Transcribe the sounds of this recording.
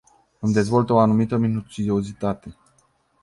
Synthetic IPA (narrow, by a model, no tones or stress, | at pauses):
ɨmd̪e̞zvo̞lt̪oanumit̪əminut͡ʃid̪eozit̪at̪e̞